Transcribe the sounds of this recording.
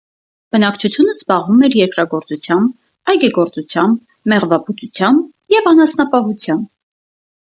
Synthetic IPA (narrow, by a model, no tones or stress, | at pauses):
b̥ənɑkt͡ʃʰut͡sʰjunəzbɑʁvumɛɾjɛɾkɾɑɡɔɾt͡sut͡sʰjɑmb | ɑjɡɛɡɔɾt͡sut͡sʰjɑmb | mɛʁvɑbut̪ut͡sʰjɑmb | jɛvɑnɑsnɑpɑɦut͡sʰjɑmb